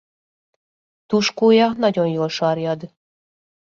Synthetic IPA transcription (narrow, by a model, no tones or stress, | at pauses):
t̪uʃkujɑχnɑdʲonjoʃɑɾjɑd̪